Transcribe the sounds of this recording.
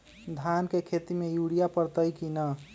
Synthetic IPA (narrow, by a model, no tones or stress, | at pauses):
d̪ʱankekʰet̪imejuɽijapəɾt̪əjkinə